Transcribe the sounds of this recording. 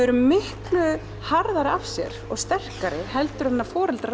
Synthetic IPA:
ɛɾʏmɪhklʏ | haɾðaɾɪafsjɛ̰ɾɔɣst̪ɛr̥kaɾɪ̥hɛlt̪ʏɾhanːaɾfɔːɾɪlt̪ɾ

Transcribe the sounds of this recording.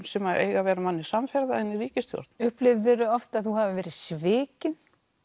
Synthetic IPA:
sɛmaðʔḛːjɣavɛːɾamanːɪsamfɛɾðaɛniriːcɪst̪jɔ̰ɾt̪n̥ʏhplɪvvɛːɾʏɔft̪aðθuɦavɪvɛːɾɪsvɪːcɪn

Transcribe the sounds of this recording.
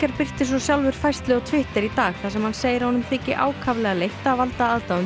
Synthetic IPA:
kaɾpɪr̥t̪ɪs̬ɔsjawlvʏɾ̥fajst̪lɪɣɔt̪ʰvɪht̪ɪɾit̪aːɣθasɛmhanseːjɪɾahɔnʏmθɪːcɪ̰ʔa̰ːwkʰavlɛɣalejht̪aːvalt̪aaːðaʏm

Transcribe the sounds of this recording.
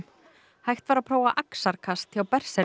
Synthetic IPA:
hajxt̪vaːɾapʰɾoːwaʔaksaɾkʰast̪jawpɛr̥sɛ

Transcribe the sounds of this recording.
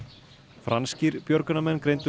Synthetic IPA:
fɾansciɾpjœɾkʏnamɛnːkɾejnt̪ʏ

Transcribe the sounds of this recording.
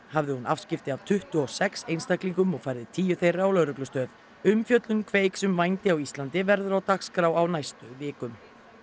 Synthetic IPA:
havðɪhunafscɪft̪ɪav̥t̪ʰʏht̪ʏɔsɛksejnst̪akliŋkʏmɔɣfajɾðɪt̪ʰiːjʏθejrːaawlœwɾʏklʏst̪œːð | ʏmfjœt̪lʏnkʰveːjksʏmvajnt̪ɪawist̪lant̪ɪvɛɾðʏɾawt̪akskɾawawnajst̪ʏvɪːkʏm

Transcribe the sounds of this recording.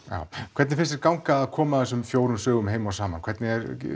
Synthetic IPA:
ja̰ːwkʰvɛɾt̪nɪfɪnst̪ɛɾkawŋkaːðkʰɔːmaθɛs̬ʏmfjoːwɾʏmsœːɣʏmɦeːjmawsaːmankʰvɛɾt̪nɪɛɾ

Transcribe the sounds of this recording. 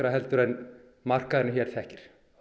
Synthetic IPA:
ɾaɦɛlt̪ʏɾɛn | mar̥kaðɪɾnɪçɛɾθɛhcɪɾ̥

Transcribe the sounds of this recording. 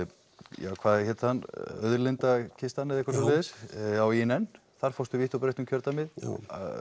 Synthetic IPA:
jaːwkʰvaːðçɛt̪hanːœ̰ðɾlɪnt̪acʰɪst̪anːɪðɛkvaɾsɛleːðɪsawinɛn | θaɾ̥fowst̪ʏviːht̪ɔwpɾejht̪ʏmcʰœɾt̪amɪð̰

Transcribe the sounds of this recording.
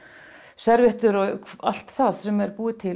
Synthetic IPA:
sɛɾvɪht̪ʏɾɔa̰l̥t̪θaðsɛmɛɾpuːɪt̪ʰɪl

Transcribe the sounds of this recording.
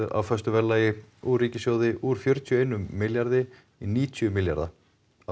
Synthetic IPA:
ɪɾa̰wfœst̪ʏvɛlːaːjɪuriːcɪsjoːwðɪʔuɾ̥fjœɾ̥t̪ʰjʏeːjnʏmɪljaɾðɪ | iniːt̪ʰjʏmɪlja̰ɾða̰ | a

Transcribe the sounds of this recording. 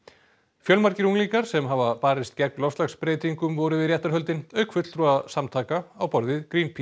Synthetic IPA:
fjœlmaɾcɪɾuŋliŋkaɾ̥sɛmɦavapaːɾɪst̪cɛknlɔfst̪axspɾeːjt̪iŋkʏmvɔɾʏvɪðjɛht̪aɾ̥ɦœlt̪ɪnœːɥkʰfʏt̪lt̪ɾuasamt̪ʰaːkaawpɔɾðɪðkɾinpʰi

